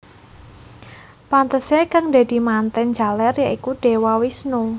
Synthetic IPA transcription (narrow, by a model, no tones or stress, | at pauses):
pant̪əsekaŋd̪a̤d̪̥i̤mant̪ɛnd͡ʒa̤lɛrjaʔikuɖ̥e̤wawisnu